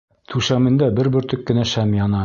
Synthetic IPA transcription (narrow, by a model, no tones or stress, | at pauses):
t̪ʰʉʃæmɘ̆nd̪æbɘɾbɵ̆ɾt̪ɵkːɘ̆næʃæmjɑnɑ